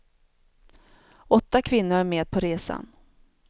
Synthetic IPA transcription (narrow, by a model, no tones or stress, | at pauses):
ɔt̪ːakʰvɪnːʊɾæmeːd̪̚pʰɔɾeːsa̰n